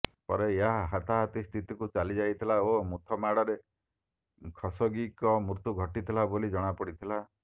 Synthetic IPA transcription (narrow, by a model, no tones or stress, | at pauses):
pɔ̰ɾeeɦaɦat̪aɦat̪ist̪ʰit̪ikut͡ʃalid͡ʒajt̪ʰilaomut̪ʰɔmaɽɔɾe | kʰɔsɔɡikɔmɾut̪uɡʱɔʈit̪ʰilabolid͡ʒɔɽ̃apɔɽit̪ʰila